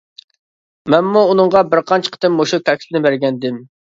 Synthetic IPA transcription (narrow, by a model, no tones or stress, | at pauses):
mɛnmuːnɨŋʁɑbɪɾqʰɑnt͡ʃʰə̥qʰə̥t̪ɪmːoʃukʲʰɛkʲspɪnɪbæɾɡʲɛnd̪ɪm